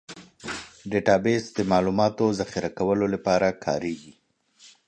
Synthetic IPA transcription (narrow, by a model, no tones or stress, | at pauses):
ɖeʈɑbesd̪əmɑlumɑt̪ozaxɪɾakawəlolapɑɾakʰɑ̰ɾeɡi